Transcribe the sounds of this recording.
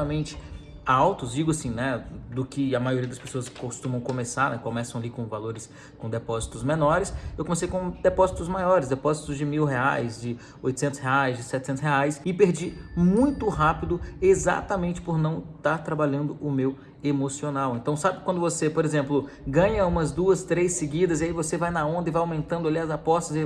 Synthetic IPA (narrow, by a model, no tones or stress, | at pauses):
ɐmẽnt͡ʃɪ̥ | awt̪ʊzd͡ʒiɡʊasĩnɛd̪ʊkɪɐmajoɾiɐd̪ɐspesoɐskost̪ũmɐ̃w̃komesaɾnɛkomɛsɐ̃w̃alikõw̃valoɾɪs | kõd̪epɔzit̪ʊzmẽnɔɾɪsewkõmesejkõd̪epɔzit̪ʊzmajɔɾɪzd̪epɔzit̪ʊzd͡ʒɪmiwɦeajzd͡ʒɪ | ojt̪ʊ̥sẽnt̪ʊsheajzd͡ʒɪsɛt͡ʃɪsẽt̪ʊ̥sheajsɪpeɾd͡ʒimũj̃t̪ʊɦapid̪ʊeza̰t̪ɐmẽnt͡ʃɪ̥poɾnɐ̃w̃t̪aɾt̪ɾabaʎɐ̃nd̪ʊʔʊmew | emosionawẽnt̪ɐ̃w̃sabɪkwɐ̃nd̪ʊvosepoɾezẽmplʊ | ɡɐ̃ɲɐũmɐzd̪uɐst̪ɾejsːɪɡid̪ɐziaivosevajnɐõnd̪ɐɪvajawmẽnt̪ɐ̃nd̪ʊaliɐzapɔst̪ɐz